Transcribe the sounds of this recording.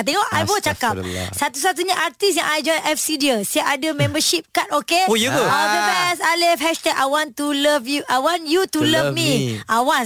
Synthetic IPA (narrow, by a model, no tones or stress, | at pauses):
at̪eŋɔʔajbɔst͡ʃakap̚sat̪us̬at̪̬uɲãʔart̪isjãŋʔajd͡ʒɔ̃jnʔɛfsidiəsiaʔadəmɛ̃mbəʃip̚kat̪̚okeɡoabəbɛsalɪfhɛst̪ɛk̚a̰jwɔ̃nt̪uləvjuʔajwãnjut̪uləvmĩʔajwan